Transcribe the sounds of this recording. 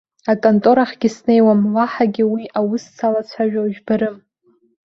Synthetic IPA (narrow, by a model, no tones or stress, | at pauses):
akʼontʼo̞ɾaχɡʲɪsne̞jwamlaħaɡʲɪwiʔawʊst͡sʰalat͡ɕʷʰaʒᶣaʒᶣbaɾɨm